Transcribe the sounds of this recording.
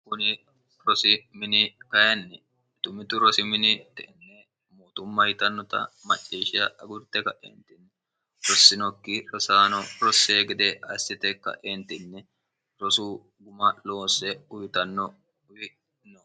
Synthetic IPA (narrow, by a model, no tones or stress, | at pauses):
kʊnɪ | ɾɔsɪmɪnɪkɐjɛnːɛ | t̪ʊmɪt̪ʊɾɔsɪmɪnɪt̪ɛʔɛnːe | moːt̪ʊmːɐhɪt̪ɐnːɔt̪ɐ̰mɐt͡ʃʼːiːʃɪɐɐɡʊɾt̪ːɛkɐʔḛːnt̪ɪnːɛ | ɾɔsːɪnɔkːɪɾɔsaːnɔɾɔsːeːɡɛd̪ɛɐsːɪt̪ɛkɐ̰ʔeːnt̪ɪnːɛ | ɾɔsuː | ɡʊmɐlo̞ːsɛʊhɪt̪ɐnːɔ | ʊwɪ | nɔ